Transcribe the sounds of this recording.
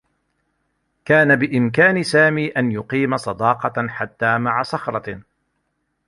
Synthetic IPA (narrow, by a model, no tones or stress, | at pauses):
kaːnabɪʔɪmk̬aːnɪsaːmiːʔanjʊqiːmasˤɑd̪ɑːqɑħat̪ːaːmaʕasˤɑxɾˤɑ